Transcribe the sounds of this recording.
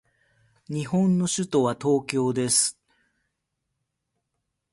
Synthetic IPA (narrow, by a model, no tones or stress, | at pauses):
ɲ̟ihõ̞nːo̞ɕɨt̪o̞βat̪o̞ːkʲo̞ːd̪e̞sɨ̥